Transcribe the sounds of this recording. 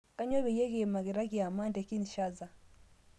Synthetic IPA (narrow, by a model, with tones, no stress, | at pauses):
ka˦ɲwɔ˦βɛ˨jɛ˦ɣe˨ma˨ɣi˨ɾa˦kja˨ma˦ndɛ˨ki˦n˨ʃa˦za˨